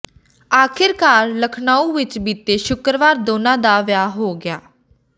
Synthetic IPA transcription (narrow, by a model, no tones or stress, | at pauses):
aːkʰɪɾkaːɾləkʰnaːũːʋɪt͡ʃbiːt̪eːʃʊkɾəʋaːɾd̪oːnãːd̪aːʋjaːɦoːɡɪaː